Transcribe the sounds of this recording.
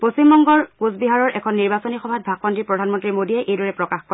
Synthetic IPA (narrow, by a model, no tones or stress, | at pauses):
posimbɔŋɡɔɹkuzbiɦaɹɔɹʔɛkʰɔnːiɹbasonixɔbʱat̚bʱak̚pɔndiɹpɹɔdʱanmɔntɹimodiɛʔejdɔɹɛpɹɔkaxkɔ